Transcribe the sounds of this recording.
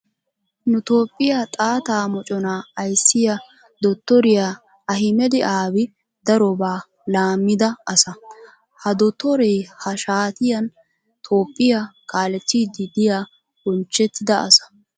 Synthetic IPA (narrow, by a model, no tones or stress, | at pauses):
nʊt̪o̞ːpʼːɪjat̪ʼaːt̪aːmɔt͡ʃʼɔnaɐjsːɪjɐ | d̪ɔt̪ːɔɾɪja | ɐɦɪmɛd̪ɪʔaːbɪ | d̪ɐɾɔbaː | laːmːɪd̪ɐɐsɐ | hɐd̪ɔt̪ːɔɾɛjhɐʃaːt̪ɪjɐn | t̪ʰoːpʼːɪjakʰaːlɛt̪ːiːd̪ɪd̪ɪjaː | ɡɔnt͡ʃːɛt̪ːɪd̪ɐɐ̰sɐ̥